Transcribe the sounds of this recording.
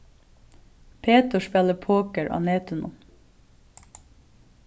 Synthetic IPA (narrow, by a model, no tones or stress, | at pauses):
pʰeːt̪ʊʃpɛləpʰoːkəɹʔɑ̰ːneːt̪ʊnʊ̰m